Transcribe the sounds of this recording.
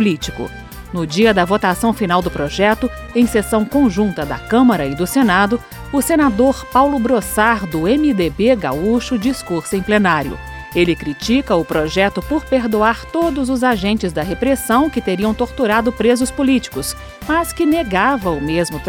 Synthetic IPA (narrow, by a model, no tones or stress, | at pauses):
lit͡ʃi̥kʊ̰ | nʊd͡ʒiɐd̪ɐvot̪asɐ̃w̃finawd̪ʊpɾoʒɛt̪ʊ | ẽj̃sesɐ̃w̃kõʒũnt̪ɐd̪ɐ̰kɐ̃mɐɾɐɪd̪ʊsenad̪ʊ | ʊsenad̪oɾpawlʊbɾosaɾd̪ʊẽmid̪ebeɡa̰uʃʊd͡ʒiskuɾsʊẽj̃plenaɾjʊ̰ | elɪkɾit͡ʃikɐʊpɾoʒɛt̪ʊpoɾpeɾd̪uaɾt̪od̪ʊzʊzaʒẽnt͡ʃɪzd̪ɐɦepɾesɐ̃w̃kɪt̪eɾiɐ̃w̃t̪oɾt̪uɾad̪ʊpɾezʊspʊlit͡ʃi̥kʊs | mɐskɪneɡavɐʊmezmʊt̪